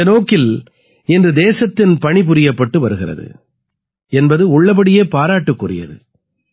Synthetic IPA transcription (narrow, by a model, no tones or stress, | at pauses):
ɐnoːkːɪl | ɛndrɯd̪eːsɐt̪ːɪnpɐɳɪpʊɾɪjɐpːɐʈːɯʋɐɾɯɣɪrɐ̰ðɯ̰ | ɛnbɐðɯʊɭːɐp̬ɐɽɪjeːpaːɾaːʈːɯkːʊrɪ̰jɐ̰ðɯ̰